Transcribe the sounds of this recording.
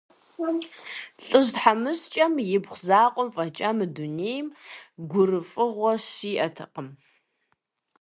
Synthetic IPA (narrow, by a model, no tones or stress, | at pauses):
ɬʼɨʒdħamɨɕt͡ʃʼɐmjɪbχʷʊzaːqʷʼɔmfʼɐt͡ʃʼamɨduneːjmɡʷʊrɨfʼɨʁʷɔɕiːʔɐtʰɨqəm